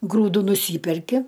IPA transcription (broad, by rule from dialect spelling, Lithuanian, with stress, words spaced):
ˈɡruːdʊ nʊˈsʲiːpʲɛrʲkʲɪ